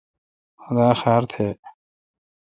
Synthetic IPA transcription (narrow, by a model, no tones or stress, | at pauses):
xʊd̪aːxɛːɾt̪ʰeː